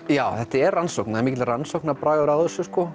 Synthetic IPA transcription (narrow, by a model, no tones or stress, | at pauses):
jaːwθɛht̪aɛɾransowknaɛɾmiːcɪransowknapɾaːjɣɔɾawðɛsːʏskɔ